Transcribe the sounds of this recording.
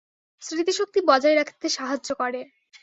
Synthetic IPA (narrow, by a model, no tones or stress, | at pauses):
sɾit̪iʃok̚t̪ibɔd͡ʑaeɾakʰi̥t̪eʃaɦad͡ʑokɔɾe